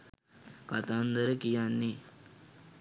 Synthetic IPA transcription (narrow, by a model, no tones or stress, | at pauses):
kɐt̪aːnd̪əɾəkijanːi